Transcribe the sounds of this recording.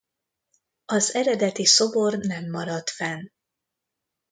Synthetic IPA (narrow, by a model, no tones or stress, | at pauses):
ɒzɛɾɛd̪ɛt̪iso̞bo̞rnɛmːɒɾɒt̪fɛn